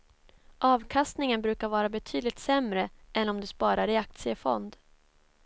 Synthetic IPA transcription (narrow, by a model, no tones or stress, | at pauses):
ʔɑːvkʰast̪nɪŋənbɾʉ̟ːkaɾvɑːɾabɛt̪ʰyːd̪lɪkt̪sɛmɾəʔɛnɔmd̪ɛspɑːɾaɾɪak̚t̪sɪəfɔ̰nd̪